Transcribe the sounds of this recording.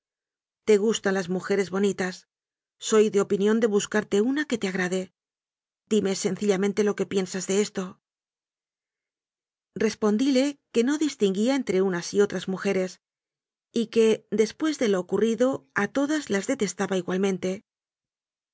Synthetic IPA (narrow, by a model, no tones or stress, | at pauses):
t̪e̞ɣ̞ust̪anlazmuxe̞ɾe̞zβo̞nit̪asː | o̞jðe̞o̞pinjõ̞nd̪e̞βuskaɾt̪e̞unake̞t̪eaɣ̞ɾaðe̞ | d̪̥ime̞se̞nθiʎamẽnt̪e̞lo̞ke̞pje̞nsazðe̞e̞st̪o̞ | re̞spo̞nd̪ile̞ke̞no̞ðist̪iŋɡiae̞nt̪ɾe̞unasio̞t̪ɾazmuxe̞ɾe̞s | ike̞d̪e̞spwe̞zðe̞lo̞ːkuriðo̞at̪o̞ðazlazðe̞t̪e̞st̪aβaiɣwalmẽ̞nt̪e̞